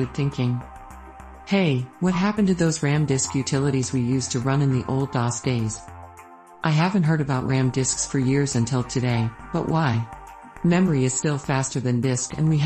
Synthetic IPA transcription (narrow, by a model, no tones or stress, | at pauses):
ɨd̪̚θɪ̃ŋkɪ̃ŋ | heɪwʌt̚ɦæpɨ̃n̩tɨðoʊzɹæ̃mdɪskjʉtʰɪlˠəɾizwijʉztʰɨɹʌ̃nɨ̃nðiʔo̰ʊlˠdɑsd̥eɪz̥ | ʔaɪɦævɨ̃nt̚ɦɜ˞ɾɨbaʊʔ̚ɹæ̃mdɪsksfə˞jɪɹzɨ̃ntʰɪlˠtʰɨɾeɪb̥ʌ̰ʔwaɪ | mɛmə˞iɨz̥stɪlˠfæstə˞ðɨ̃ndɪskɨ̰̃nwi